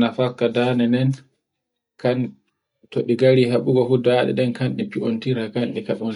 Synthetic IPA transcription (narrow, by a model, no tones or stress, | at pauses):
nafakːadanɛnɛn | kan | tɔɗiɡaɾiɦaɓuɡɔfudaːɗɛ̰ɗɛnkanɗipiontiɾakanɗikaɗɔn